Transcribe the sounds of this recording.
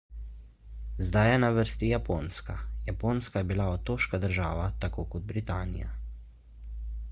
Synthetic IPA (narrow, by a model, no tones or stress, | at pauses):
zd̪ajɛnaʋəɾst̪ijapoːnskajapoːnskajɛbilaɔt̪ːoːʃkad̪əɾʒaːʋat̪akoːkɔd̪̚bɾit̪aːnḭja̰